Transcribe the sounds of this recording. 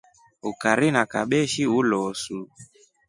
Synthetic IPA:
ukaɾinaka̰ɓɛʃiulɔsu

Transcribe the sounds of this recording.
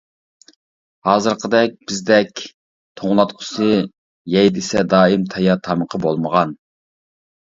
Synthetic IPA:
hɑːzɨɾqʰəd̪ɛk̚ʲb̥ɪzd̪ɛkʲ | t̪ʰoŋlˠɑt̪qʰʊ̥sɨ | jɛjd̪ɪsɛd̪ɑːimt̪ʰɑjɑt̪ʰɑməqʰəbolˠməʁɑn

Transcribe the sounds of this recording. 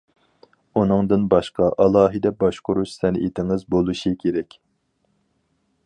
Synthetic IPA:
unɨŋd̪ɨnbɑʃqɑʔɑlˠɑːɦɨd̪ɛbɑʃqʊɾuʃsɛnḭt̪ʰɪŋɨzbolˠuʃɨkʲʰeɾɛkʲ

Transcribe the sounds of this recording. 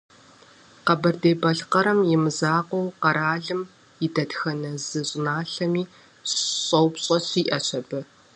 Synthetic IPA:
qɐbɐrdeːbɐɬqɐɾɐmjɪmɨzaːqʷɔwqɐɾaːɮɨm | jɪdɐdxɐnɐzɨɕʼnaːɬɐmiː | ɕʼɐwpɕʼɐɕiːʔɐɕʰɐbɨ

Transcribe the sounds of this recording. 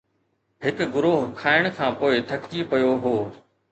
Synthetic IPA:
ɦɪkɡʊɾoːɦkʰaːɪɽ̃kʰãːpoːɪt̪ʰɐktipɐjoɦoː

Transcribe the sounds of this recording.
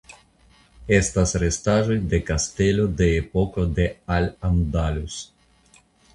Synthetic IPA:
est̪asɾest̪aʒojd̪ekast̪elod̪eːpokod̪ealand̪alus

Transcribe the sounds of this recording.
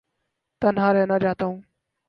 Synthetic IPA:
t̪ənɦaːɾeːnad͡ʒaːt̪aũː

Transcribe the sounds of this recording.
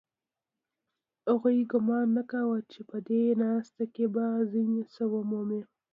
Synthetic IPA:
haɣujɡʊmɑnːakawət͡ʃepəd̪enɑst̪akebaziɲsəwəmome

